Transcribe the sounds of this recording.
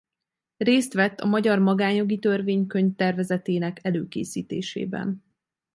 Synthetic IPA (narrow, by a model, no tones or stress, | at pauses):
reːst̪ʋɛt̪ːɒ̰mɒɟɒrmɒɡaːɲjo̞ɡit̪ø̞rveːɲkø̞ɲft̪ɛrvɛzɛt̪eːnɛkɛløːkḛːsiːt̪ḛːʃḛːbɛ̰n